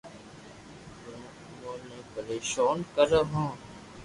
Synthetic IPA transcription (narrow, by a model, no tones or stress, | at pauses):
bɾmt | mõːnẽːpəɾeːʃoːnkəɾɦõː